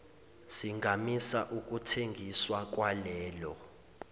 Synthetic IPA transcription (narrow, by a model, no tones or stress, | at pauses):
siŋɡʱamisaʔuk̬ʼutʰeŋɡʱiswak̬ʼwalɛːlɔ